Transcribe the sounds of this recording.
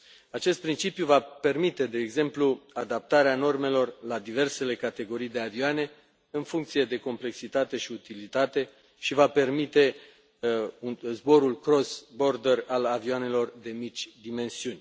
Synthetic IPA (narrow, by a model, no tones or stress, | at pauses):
at͡ʃe̞st̪̚pɾint͡ʃipjuvape̞rmit̪e̞d̪e̞ːɡze̞mpluad̪ap̚t̪aɾeano̞rme̞lo̞rlad̪ive̞rse̞le̞kat̪e̞ɡo̞ɾijd̪e̞avioane̞ | ɨnfuŋkt̪sije̞d̪e̞ko̞mpleksit̪at̪e̞ʃiut̪ilit̪at̪e̞ | ʃivape̞rmit̪e̞ | unzbo̞ɾulkɾo̞sbo̞rd̪eralavioane̞lo̞rd̪e̞mit͡ʃʲd̪ime̞nsiunʲ